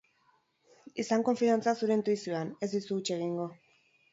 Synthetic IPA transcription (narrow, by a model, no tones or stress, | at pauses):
isaŋko̞ɱfiant͡sasuɾe̞nt̪ujsuane̞zd̪isuːt͡ʃe̞ɣ̞iŋɡo̞